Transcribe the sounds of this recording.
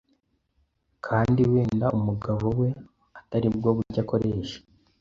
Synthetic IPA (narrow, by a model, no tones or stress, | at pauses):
kʰaːndiweːndaʔumuɡaβowe̞ | ataɾib̚ɡo̞βuɾɟako̞ɾeːʃḁ